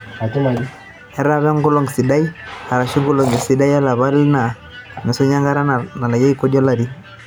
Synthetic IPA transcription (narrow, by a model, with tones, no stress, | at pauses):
ɛ˦ɾa˦βɛ˦ŋɡu˦lɔ˨ŋɡsi˨da˦i˦a˨ɾa˨ʃi˦ŋɡu˦lɔ˨ŋɡi˨si˨˦da˦ja˦la˨βa˦lna˨ | nɛ˨sɔ˦ɲa˦ŋɡa˦ɾa˦na˨na˨la˨ja˦i˦kɔ˦di˦ɔ˦la˨ɾi˦